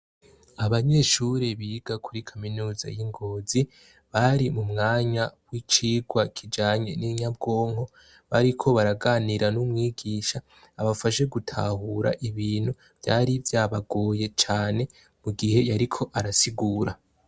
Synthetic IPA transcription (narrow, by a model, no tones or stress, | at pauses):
aβaɲe̞ʃuɾeβiːɡakʰuɾikʰaminuːza̰jiŋɡo̞ːzi | βaɾimumŋaːɲawit͡ʃiːɡwakʰid͡ʒaːɲeniɲab̚ɡo̞ːŋho̞ | βaɾikʰo̞βaɾaɡaːniɾanumŋiːɡiːʃaː | βafaʃe̞ɡutʰa̰huɾa̰ʔiβiːn̥hu | v̥ja̰ːɾivjaːβaɡoːje̞t͡ʃaːne̞ | muɡihe̞jaɾikʰo̞ʔaɾasiɡuːɾa